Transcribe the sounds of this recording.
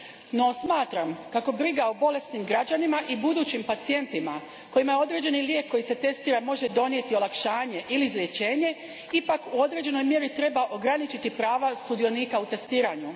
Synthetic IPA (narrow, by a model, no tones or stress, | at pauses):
no̞smaːt̪ɾamkako̞bɾiɡaobo̞le̞st̪nimɡɾad͡ʑanimaʔibud̪uːt͡ɕimpat̪sije̞nt̪ima | ko̞jimajeo̞d̪ɾe̞d͡ʑe̞niljekʰːo̞jise̞t̪e̞st̪iːɾamo̞ʒe̞d̪o̞nije̞t̪io̞lˠakʃaːɲe̞ʔilizlʲjet͡ɕe̞ːɲe̞ | ipakuo̞d̪ɾe̞d͡ʑe̞no̞jmje̞ɾit̪ɾe̞baʔo̞ɡɾanit͡ɕit̪ipɾaːʋast̪ud̪ijo̞niːkaut̪e̞st̪iːɾaɲu